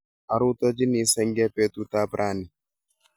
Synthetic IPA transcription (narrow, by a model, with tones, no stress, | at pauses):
a˨ɾʊ˦t̪ɔ˦d͡ʒi˦ni˨sɛ˦ŋɡɛ˦pɛ˦t̪u˦t̪a˦pɾʔa˦ni˨